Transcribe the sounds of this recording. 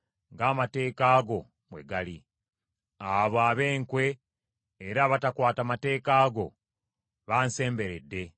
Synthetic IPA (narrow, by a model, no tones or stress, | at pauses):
ŋɡaːmate̞ːkaːɡo̞ | mwe̞̰ɡali | aβaβe̞ːŋkwe̞ː | ɾaːβatakwaːtamate̞ːkaːɡo̞̰ | βaːnse̞ːmbe̞ɾedːe̞